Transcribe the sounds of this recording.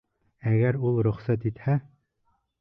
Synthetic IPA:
æɣæɾulˠɾɵ̆χsæt̪̬it̪hæ

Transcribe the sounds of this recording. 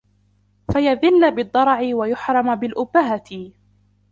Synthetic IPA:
fajaðɪlːabɨd̪ˤːɑɾˤʕɪwajʊħɾˤɑmabɪlʔʊbːaɦat̪ɪ

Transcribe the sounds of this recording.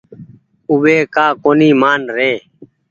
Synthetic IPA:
ʊʋeːkaːkoːniːmaːnɾeː

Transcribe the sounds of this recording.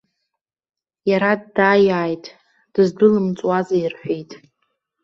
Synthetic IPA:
jaɾaddaːjaːjtʼ | d̥ɨzdɨlɨmt͡sʼwazairħʷᶣejtʼ

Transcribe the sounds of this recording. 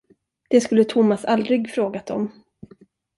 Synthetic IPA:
d̪̥ɛskɵlːət̪ʰʊmːasald̪ɾɪɡfɾoːɡat̪ɔ̰m

